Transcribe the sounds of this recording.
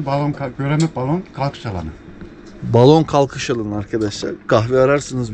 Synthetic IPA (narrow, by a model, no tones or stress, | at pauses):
balˠonʰaɟøɾɛmɛbalˠonkʰalˠkʰɯ̥ʃalˠa̰nɯ̰ | balˠo̞nkʰalˠkʰɯʃalˠanɯaɾkʰad̪aʃlˠa̰ɾkʰaxviaɾaɾsɯnɯz